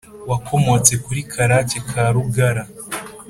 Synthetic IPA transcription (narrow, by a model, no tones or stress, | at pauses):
wakʰo̞mo̞t͡se̞kuɾikʰaɾacekʰaɾuɡaɾa